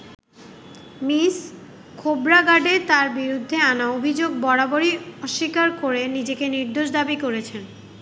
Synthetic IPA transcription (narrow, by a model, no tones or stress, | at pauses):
mis | kʰobɾaɡaɖet̪aɾbiɾud̪ʱːeanaobʱid͡ʑoɡ̚bɔɽaboɾiɔʃːikaɾkoɾenid͡ʑekeniɾd̪oʃ̬d̪abikoɾet͡ɕʰen